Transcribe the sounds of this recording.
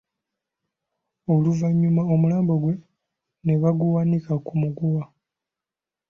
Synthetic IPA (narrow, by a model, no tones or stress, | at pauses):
oluvaɲːumaomulaːmbo̞ɡwe̞ | ne̞βaɡuwanikakumuɡuwa